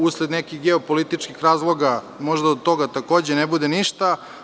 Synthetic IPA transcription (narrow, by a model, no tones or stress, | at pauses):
usled̪nekixɡeopolit̪it͡ʂkixɾaːzlˠo̞ɡa | mo̞ʒd̪aod̪̚t̪o̞ɡat̪ako̞ːd͡ʑenebud̪eniʃt̪a